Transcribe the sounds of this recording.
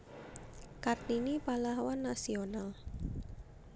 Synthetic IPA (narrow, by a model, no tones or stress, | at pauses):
kart̪inipalahwanːasional